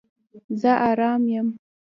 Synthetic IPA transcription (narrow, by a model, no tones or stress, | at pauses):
zəʔaɾɑːmjəm